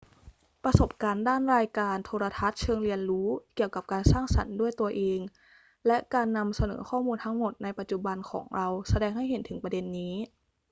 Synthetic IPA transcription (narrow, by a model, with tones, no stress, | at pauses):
pɾa˧so˨˩p̚kaː˧ndaː˥˩nɾaː˧jkaː˧nt̪ʰoː˧ɾa˧t̪ʰa˦˥t̪̚t͡ɕʰɤː˧ŋɾi˧ənɾuː˦˥ki˨˩əwka˨˩p̚kaː˧nsaː˥˩ŋsa̰˩˦ndu˥˩əjt̪u˧ɐʔeː˧ŋ | lɛ˦˥ʔkaː˧nːa˧msa˧nɤ̰ː˩˦kʰɔː˥˩muː˧nt̪ʰa˦˥ŋmo˨˩t̪̚na˧jpa˨˩t̪̚t͡ɕu˨˩ba˧nkʰɔ̰ː˩˦ŋɾa˧wsa˧dɛː˧ŋɦa˥˩jɦe˨˩˦nt̪ʰɯ˩˦ŋpɾa˧de˧nːiː˦˥